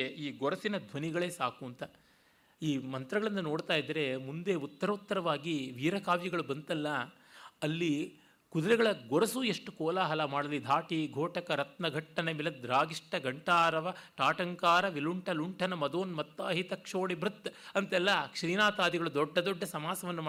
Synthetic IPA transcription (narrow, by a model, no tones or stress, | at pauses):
iːɡɔɾɐsinɐd̪ʱʋɐniɡɐɭe̞ːsaːkuɐnt̪ɐ | iːmɐnt̪ɾɐɡɐɭɐnːɐno̞ːɽt̪aːjid̪ɐɾe̞mund̪eut̪ːɐɾɐut̪ːɐɾɐʋaːɡiʋiːɾɐkaːʋjɐɡɐɭubɐnt̪ɐlːɐ | ɐlːi | kud̪ɐɾɛɡɐɭɐɡɔɾɐsuːeʂʈukɔːlaːɦɐlɐmaːɽɐlid̪ʱaːʈiɡʱoːʈɐkɐɾɐt̪̚nɐɡʱɐʈːɐnemilɐd̪ɾaːɡiʂʈɐɡɐɳʈaːɾɐʋɐʈaːʈɐŋkaːɾɐʋiluɳʈʰɐluɳʈʰɐnɐmɐd̪oːnmɐt̪ːaːɦit̪ɐkʂoːɽibɾut̪ːɐnt̪ɛlːɐkʂɾiːnaːt̪aːd̪iɡɐɭud̪ɔɖːɐd̪ɔɖːɐsɐmaːsɐʋɐnːuma